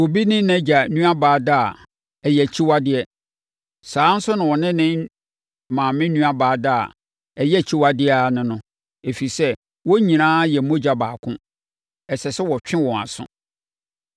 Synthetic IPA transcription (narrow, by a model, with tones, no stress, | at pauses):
wo˨bi˦nɪ̃˦nɛ̃˦d͡ʑa˨nũ˦a˦baː˨˦da˦˨ | ɛ˨jɛ˨t͡ɕʰi˦wa˦dɪ˨˦ɛ˦ | saː˨˦n̩˦sʊ˦nʊ̃˨wɔ˨nɪ̃˦nɪ̃˦n | mãː˨mɪ̃˦nũ˦a˦baː˨da˦˨a̰˨ | ɛ˨jɛ˦æ˨t͡ɕʰi˦wa˦dɪ˦˨nʊ̃˦nʊ̃˦ | e˨fi˨i˨sɛ˦ | wɔ˦ɲĩ˨nãː˦jɛ˨˦mõ˦d͡ʑa˦baː˨kʰʊ̰̃˦ | ɛ˨sɛ˨sɛ˦wɔ˨t͡ɕᶣɪ̃˦wɔ̃˨a̰˨sʊ̰̃˦